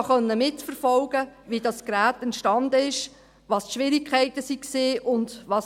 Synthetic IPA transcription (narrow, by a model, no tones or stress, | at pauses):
χœnːəmɪtfəɾfɔlɡ̥əʋidɑskɾæːtɛntʃtɑndəɪʃ | ʋɑːstʃʋɪɾikʰχɛɪtəsikseːʔʊndʋɑːs